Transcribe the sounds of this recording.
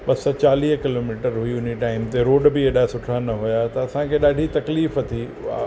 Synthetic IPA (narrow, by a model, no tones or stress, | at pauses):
ɓɐsɔt͡ɕaːliːɦkɪloːmiːʈəɾɦʊiʊniʈaːɪmt̪eɾoːɖbɪeɗasʊʈʰanɐɦʊjat̪ɐɐsãkʰeːɗaːɖʱit̪ɐkliːfɐt̪ʰḭ